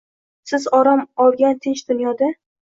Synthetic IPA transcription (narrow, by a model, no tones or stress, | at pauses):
sɪzɒɾɒmɒlˠɡʲant̪ʰɪnt͡ʃd̪ʊnjɒd̪a